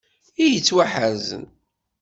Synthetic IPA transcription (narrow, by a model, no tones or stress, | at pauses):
ijət͡sːwaħazə̰n